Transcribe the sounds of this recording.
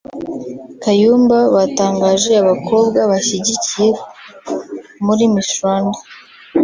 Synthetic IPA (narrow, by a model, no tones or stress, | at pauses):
kajuːmbaβataːŋɡaːʒe̞aβakʰo̞bɡaβaʃiɟicije̞ | muɾimiʃwaːnda